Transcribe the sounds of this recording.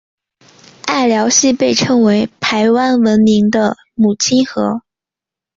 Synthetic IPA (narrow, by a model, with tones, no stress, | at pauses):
a˥˩ɪljɑ˧˥ʊɕi˥˧pe˥˩ɪʈ͡ʂʰɤ˥ŋwe˧˥ɪpʰa˧˥ɪwa˥nwə˧˥nmi˧˥ŋd̪ə˧ | mu˨˩t͡ɕʰi˥nxɤ˧˥